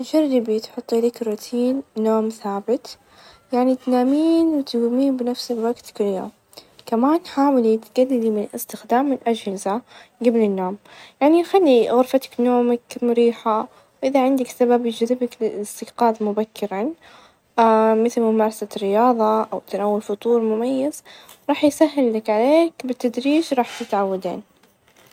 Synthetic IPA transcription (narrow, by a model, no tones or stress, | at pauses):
ʒarˤːɪbijt̪ħʊt̪ˤːʔaliːkɾut̪ʰiːnːoːmθaːbɪt̪ | jaʕnit̪naːmiːnwɪt̪ɡumiːnbɪnafsɪbwaɡt̪kɪljo̰ːm | kamaːnħaːwɪlit̪ɡadːlimɪnlɪst̪ɪxd̪aːmːɪnʔad͡ʒhɪzaɡablɪnːoːmjaʕnixalːiɣʊɾfat̪ɪ̥knoːmakmʊɾiːħa | wʔɪðaʕɪnd̪aksababjɪd͡ʒðɪbaklɪɪst̪ɪɡqɑːðˤmʊbakːɪɾan | mɪθɪlmʊmɑːɾˤɑsarɪjɑːðˤɑʔawt̪anawːʊlfʊt̪ˤuːɾˤmʊmajːaz̥ | ɾˤɑːħjsaɦːɪlːakʕaleːkbɪt̪ːad̪ɾiːʒɾˤɑːħt̪ɪt̪ʕawːad̪ḛːn